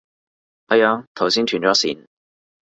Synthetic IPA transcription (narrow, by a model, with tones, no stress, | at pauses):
ʔɐ˨˧˥jaː˧t̪ʰɐ˨˩wsiː˥nt̪ʰyː˨˩nt͡ʃɔː˨˥sḭː˨˩n